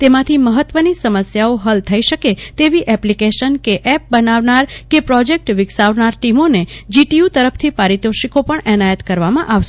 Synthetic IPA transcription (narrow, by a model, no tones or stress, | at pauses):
t̪emãt̪ʰiməɦət̪ʋənisəməsjaoɦəlt̪ʰəiʃəket̪eʋiʔɛplikeʃənkeʔɛp̚bənaʋnaɾkepɾɔd͡ʒek̚ʈʋɪksaʋnaɾʈimoned͡ʒiʈiut̪əɾəpʰt̪ʰipaɾid̪oʃikopəɳɛnajət̪kəɾʋamãʔaʋʃe